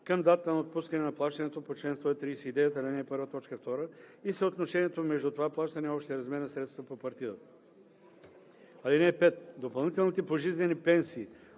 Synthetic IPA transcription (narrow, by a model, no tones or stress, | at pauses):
kəmd̪at̪t̪ənɐot̪̚puskɐnɛnɐplˠaʃt̪ɐnɛt̪opot͡ʃlɛnst̪voɛt̪ɾiːsɛid̪ɛjət̪əːlinɛːpɤɾvət̪ɔt͡ʃkəft̪ɔɾəisɛot̪noʃɛniɛt̪omɛʒd̪ut̪ovaplˠaʃt̪ɐnɛɔpʃt̪ɛɛɾɐzmɛɾnɐsɾɛt̪st̪vəpopɐɾt̪iət̪ | alinɛːpɛt̪̚d̪opɐlˠnit̪ɛlˠnit̪ɛpoʒizvɛnipɛnsiː